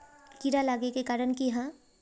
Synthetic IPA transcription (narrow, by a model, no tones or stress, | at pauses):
kiɾalaːɡekekaːɾəɳkiɦɛ̃